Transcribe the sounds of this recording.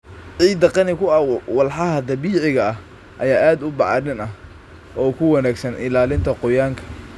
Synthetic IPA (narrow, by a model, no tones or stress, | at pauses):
ʕiːd̪ɐqɑnɪkʰʊɐwɐlħɑɦɐd̪ɐβiːʕɪɣɐɐh | ʔɐ̰jaːʔaːd̪ʊbɑʕɑɾɪnɐh | ʔɔːkʰʊwɑnaːɡsɐnʔɪ̰laːlɪnt̪ʰɐqʊjaːŋkʰɐ̥